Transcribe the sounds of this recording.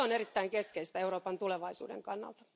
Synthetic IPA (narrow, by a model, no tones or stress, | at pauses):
onerit̪ːæiŋkeskeist̪æeuroːpɑnt̪uleʋɑisṵːdḛŋkɑnːɑ̰lt̪ɑ̥